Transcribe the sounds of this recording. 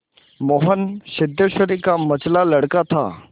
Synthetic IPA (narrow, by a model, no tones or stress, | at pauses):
moːɦənʃɪd̪ːəʃəɾikamət͡ʃlaləɽkat̪ʰa̰ː